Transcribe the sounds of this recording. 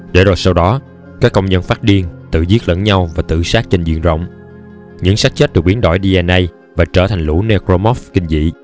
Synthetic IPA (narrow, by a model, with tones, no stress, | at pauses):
ɗe˧˩ɗo˨˩j̚sa˧wɗɔ˨˦ | kaː˦˥kːə˧wŋ͡mɲə˧nfaː˦˥t̚ɗi˧ənt̪ɨ̰˧˨zi˦˥t̚lə̰˧˥nɲa˧wvaː˨˩t̪ɨ̰˧˨saː˦˥k̚t͡ɕe˧nzḭ˧˨ənzə̰˧˨wŋ͡m | ɲɨ̰˧˥ŋsaː˦˥k̚t͡ɕə˦˥t̚ɗɨ˨˩ɓi˨˦ənɗɔ˧˩jɗi˧ʔɛ˧nʔə˧j | vaː˨˩t͡ɕəː˧˩t̪ʰa˨˩ŋ̟lṵ˧˩ne˧kɾo˧mɔ˦˥fkï˧ŋ̟zḭ˧˨